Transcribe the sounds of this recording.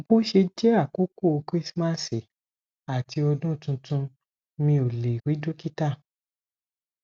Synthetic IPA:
o˨bo˦ʃe˧d͡ʒɛ˦a˦˨ku˦ko˦˧kɾi˦sma˦˨se˨ | a˨ti˧ɔ˧dũ˦˨tũ˧tũ˧ | mĩ˧o˨le˨ɾi˨˦do˦ki˦ta˦˨

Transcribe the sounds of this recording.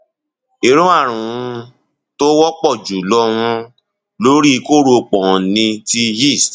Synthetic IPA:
e˨ɾũ˦a˦˨ɾ̃ũ˨ũ˧ | to˦wɔ˦k͡pɔ˦˨d͡ʒu˨lɔ˧wũ˧ | lo˦ɾi˦˧ko˦ɾo˧k͡pɔ̃˨nĩ˧ti˧hi˦˨st

